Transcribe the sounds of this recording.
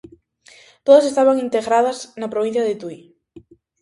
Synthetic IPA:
t̪oðɐsest̪aβaŋint̪eɣɾaðɐznapɾoβ̞ĩn̟θjaðet̪uj

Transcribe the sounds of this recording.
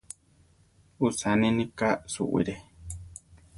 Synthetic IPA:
usanĩnĩkasṵʔḭɾe

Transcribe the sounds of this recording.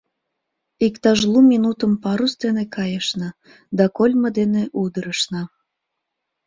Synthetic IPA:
ikt̪ɑʒlumʲinut̪əmpɑɾusd̪enekɑjəʃnɑ | d̪ɑkolʲməd̪eneʔud̪əɾəʃnɑ

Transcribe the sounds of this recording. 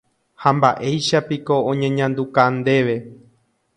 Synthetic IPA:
hãmba̰ʔe̞jʃapiko̞õɲẽ̞ɲãnd̪ukand̪e̞ʋe̞

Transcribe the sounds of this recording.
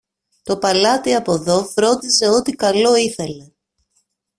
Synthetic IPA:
t̪o̞pɐlɐt̪iɐpo̞ðo̞fɾo̞nd̪ise̞o̞t̪ikɐlo̞iθe̞le̞

